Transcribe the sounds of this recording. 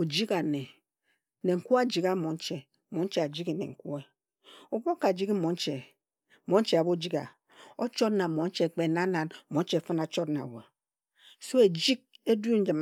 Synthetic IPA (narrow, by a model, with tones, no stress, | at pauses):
o˨d͡ʒi˦ka˨ne˨ | ne˨ŋ̩˨ku˦a˦d͡ʒi˨ka˦mo˨n̩˦t͡ʃe˨˦ | mo˨˦n̩˦t͡ʃe˨a˨d͡ʒi˦ke˨nḛ˨ŋ̩˨ku˦e˦ | o˨bo˦ka˨d͡ʒi˦kmo˨˦n̩˦t͡ʃe˨ | mo˨˦n̩˦t͡ʃe˨a˨bo˦d͡ʒi˦ka̰˨ | o˦t͡ʃo˦tna˨mo˨˦n̩˦t͡ʃe˦˨k͡pe˨na˦na˨n̩˨mo˨˦n̩˦t͡ʃe˨fɨ˦na˨t͡ʃo˦tna̰˨wḛ˨ | so˦e˨d͡ʒi˦k̚e˦du˦n̩˦d͡ʒɨ˨m